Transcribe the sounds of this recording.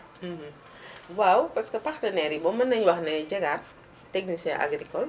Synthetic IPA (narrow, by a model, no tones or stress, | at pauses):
wawpɐskɐpɐxtɐnɛːɾibɔmɐnːɐɲwɐxnɛɟɛɡa | tːɛknisɛʔa̰ɡɾikɔl